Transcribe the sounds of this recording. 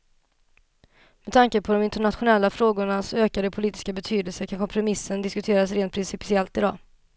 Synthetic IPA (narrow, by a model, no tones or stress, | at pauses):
mɛd̪t̪ʰaŋkəpʰɔd̪ɔmɪnt̪əɳat̪ɧʊnɛlːafɾoːɡʊɳasɔøːkad̪əpʰʊliːt̪ɪ̥skabɛt̪ʰyːd̪əlsəkʰankʰɔmpʰɾʊmɪsːənd̪ɪskɵt̪ʰeːɾasɾeːnt̪̚pʰɾɪnsɪpsɪɛlt̪ɪd̪ɑ̰ː